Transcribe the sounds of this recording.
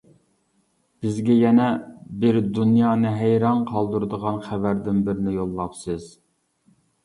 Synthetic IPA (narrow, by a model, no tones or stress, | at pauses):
b̥ɪzɡʲɛjɛnɛbɪɾd̪unjɑːnɨɦæjɾɑnqʰɑlˠd̪uɾɨd̪əʁɑnχævæɾd̪ɪnbɪɾɪnɪjolˠːɑpsɨz̥